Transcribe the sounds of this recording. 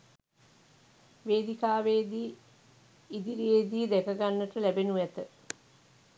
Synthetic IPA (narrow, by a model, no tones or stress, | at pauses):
ʋeːd̪ikaːʋed̪iː | id̪iɾijed̪iːd̪ɛkəɡanːəʈəlæbenuʋæt̪ə